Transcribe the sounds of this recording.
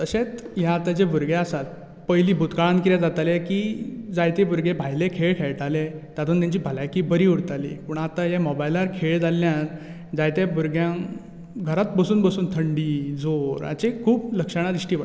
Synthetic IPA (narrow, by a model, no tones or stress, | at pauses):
t̪əɕet͡s̪jaːt̪ad͡ʑebuɾɡeasat̪̚ | pəjliːbʱut̪kaɭankiɾjad͡zat̪alekiːd͡zajt̪ebuɾɡebʱajlekʰeɭkʰɛɭʈʰalet̪at̪ʰuːnt̪jãɲt͡ɕiːbʱalajkibəɾiːuɽt̪alḭpuːɳat̪ajamɔbajlaɾkʰeɭd͡zalːjãt | d͡zajt̪ebuɾɡjã | ɡʱəɾat̪̚bəsuːnbəsuːnt̪ʰəɳɖiːd͡zoɾa̰t͡ɕekʰuːbləkʂəɽ̃adɾiʂʈiːʋa